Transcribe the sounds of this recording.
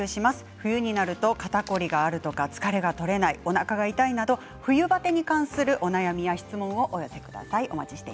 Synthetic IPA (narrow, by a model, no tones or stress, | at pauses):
ɯɕimasɨ̥ɸɯ̟jɯ̟ɲ̟inaɾɯ̟t̪o̞kat̪ako̞ɾʲiɡaːɾɯ̟t̪o̞kat͡sɨ̥kaɾe̞ɡat̪o̞ɾe̞naio̞nakaɡait̪ainad̪o̞ | ɸɯ̟jɯ̟bat̪e̞ɲ̟ikãɰ̃sɨɾɯ̟ʔo̞najamʲijaçi̥t͡sɨmõ̞ɰ̃o̞ʔojo̞se̞kɯ̟d̪a̰saiʔo̞mat͡ɕi̥ɕi̥t̪e